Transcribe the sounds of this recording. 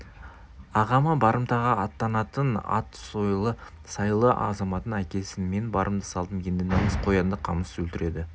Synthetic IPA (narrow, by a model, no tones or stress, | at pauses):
ɑʁɑməbɑɾəmt̪ɑʁɑɑt̪ːɑnɑt̪ənɑ̰t̪sojlˠə | sɑjlˠəʔɑ̰zɑmɑt̪ənækʲe̞sɪnme̞nbɑɾʔəmd̪əsɑlˠd̪əmkʰʲend̪enɑɴəsqʰo̞jɑnd̪əqʰɑməswɵlt̪ɪɾʔe̞d̪ɪ